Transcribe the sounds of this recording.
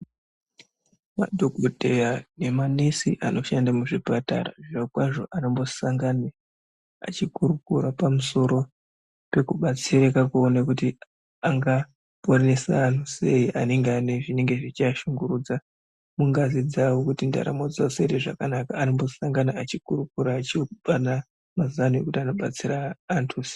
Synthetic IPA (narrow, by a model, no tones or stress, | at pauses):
ma̰dʱoɡodʱejane̞manesiʔano̞ʃandamuʐipata̰ra̰ʐirakwaʐo̞ʔanombo̞saŋɡana | a̰t͡ʃikuɾukuɾapamuso̞ɾo̞ | pe̞kuɓat͡siɾekakuonakuti | aŋɡa | ponesa̰ːn̤use̞iʔa̰ne̞ŋɡeaneʐine̞ŋɡe̞ʐit͡ʃaʃuŋɡuɾuːd͡za | muŋɡazid͡zawokutinda̰ɾa̰mod͡zasereʐa̰kanakaːnombo̞saŋɡanaat͡ʃikuɾukuɾaːt͡ʃiɓana | mazanuekutiano̞ɓa̰t͡siɾaːntʰusi̥